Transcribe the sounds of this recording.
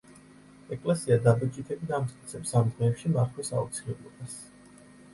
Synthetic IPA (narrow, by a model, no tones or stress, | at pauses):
ɛkʼlɛsiad̪abɛt͡ʃʼit̪ʰɛbid̪amt̪skʼit̪sʰɛpsamd̪ʁɛːpʃimaχʰwɛsa̰ṵt̪sʰilɛblˠɔbas